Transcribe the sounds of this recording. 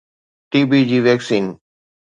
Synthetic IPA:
ʈiːbid͡ʑiːʋɛːksiːn

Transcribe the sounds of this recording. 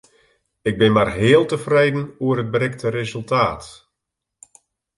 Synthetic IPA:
ɪɡ̚bɪnmarɦeːəlˠtəfrejdn̩uərɦət̚bəɾɛk̚tʰəɾezɵlˠtaːt

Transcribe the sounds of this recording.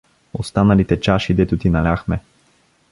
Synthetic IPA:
ost̪anɐlit̪ɛt͡ʃaʃid̪ɛt̪ut̪inalʲaxmɛ

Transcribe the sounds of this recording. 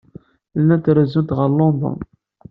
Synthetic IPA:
lnːænt̪ɾæzunt̪ʁəɾlond̪ˤo̰n

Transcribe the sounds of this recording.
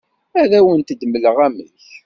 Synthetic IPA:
æðæwənt̪əd̪mələʁæmə̰ç

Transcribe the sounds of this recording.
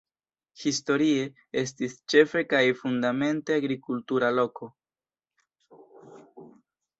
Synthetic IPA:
histo̞ɾie̞ | e̞s̬tist͡ʃe̞fe̞kajfundame̞nte̞aɡɾikultuɾalo̞ko̞

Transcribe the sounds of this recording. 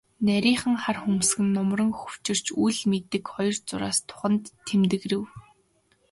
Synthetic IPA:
næɾʲiːχə̆ŋχarxumsɡɘ̆nːɔmrə̆ŋxɵw̥t͡ɕɪ̆r̥t͡ɕujɮmet̪ɘ̆kχɔjɞ̆rt͡sʊɾa̰ːst̪ʰʊ̥χə̆nt̪ʰːemt̪ɘ̆ɣrɘ̆w

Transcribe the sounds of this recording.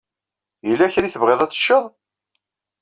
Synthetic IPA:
jəlːæçɾiθəvʁeðˤæt͡sːə̥ʃːəðˤ

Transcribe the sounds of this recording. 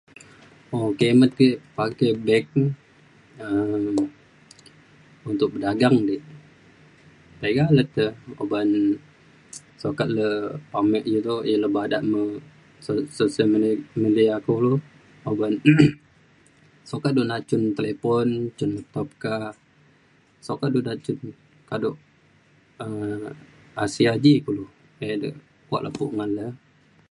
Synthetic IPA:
okemət̪̚kiʔpakebɛk̚ | əm | unt̪ʊk̚bədaɡaŋdiʔ | t̪eɡalət̪əo̰ban | sokat̪̚ləpamɛʔɡit̪ujələbadaʔmə | sososalmidiakulu | oban | sokat̪̚duʔnat͡ʃunt̪elepɔnt͡ʃunət̪ɔp̚ka | sokat̪̚duʔnat͡ʃun | kadoʔ | ə | asiad͡ʒikulu | edə̰ʔ | kua̰ʔlʔa̰puʔŋanlə

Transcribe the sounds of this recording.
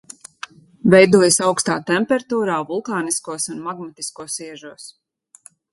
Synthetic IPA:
vɛjd̪uɔjsawkst̪aːt̪ɛmpɛɾt̪uːɾaːvulˠkaːniskuɔsunmaɡmat̪i̥skuɔsiɛʒuɔs

